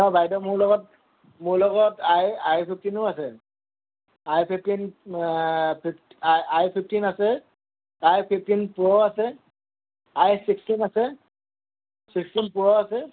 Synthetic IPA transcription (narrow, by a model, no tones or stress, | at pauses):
ɔbajdɔmʊɹlɔɡɔt | muɹlɔɡɔtajajpʰip̚ʰtinʊasɛ | ajpʰip̚ʰtin | pʰiptajpʰipʰtinasɛ | ajpʰip̚ʰtinpɹɔasɛ | ajsikstinasɛ | sikstinpɹɔasɛ